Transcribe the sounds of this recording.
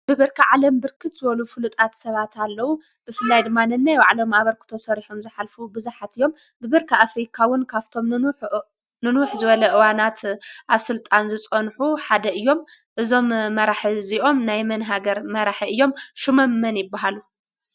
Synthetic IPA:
b̥ɨβɨɾkʰɐʕalɐmbɨɾkʰɨt̪zɨβɐlufɨlut̪ʼat̪sɐβat̪ʰalːɐwu | b̥ɨfɨlːajd̪ɨmːanɨnːajwaʕlo̞maβɐɾkʰɨ̥t̪ʰo̞sɐɾiħomzɨħalfubɨzaħat̪ɨjːo̞m | bɨβɨɾkʰɐafɾikʰawɨnkʰaft̪ʰo̞m | nɨnʊħzɨβɐlɐʔɨwanat̪ʔaβsɨlt̪ʼanzɨt͡sʼonħuħad̪ɐʔɨjːo̞m | ʔɨzo̞mːɐɾaħiziʔo̞mnajmɐnɦaɡɐɾmɐɾaħiɨjːo̞mʃumɐmːɐnjɪbːaɦalu

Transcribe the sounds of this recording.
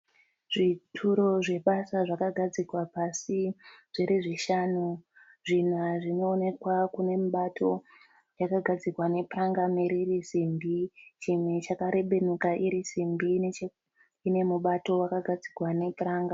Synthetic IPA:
ʐitʰuɾo̞ʐe̞ɓasaʐakaɡʱad͡zikwapasiʐ̥iɾiʐiʃanu | ʐinaʐino̞ːne̞kwakune̞muɓatʰo̞ | jakaɡʱad͡zikwane̞praŋɡameɾirisimbit͡ʃimwe̞t͡ʃakaɾe̞ɓe̞nukaʔiɾisimbi | ne̞muɓato̞wakaɡʱad͡zikwane̞praːŋɡa

